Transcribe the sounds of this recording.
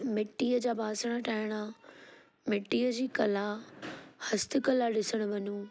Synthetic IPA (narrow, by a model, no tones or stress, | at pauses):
mɪʈːiːəd͡ʑaːbʱaːsɽ̃aʈʰaːɪɽ̃a | mɪʈːiːəd͡ʑiːkɐla | hɐst̪ʰɪ̆kɐlaɗɪsəɽ̃ʊ̆ʋɐnuː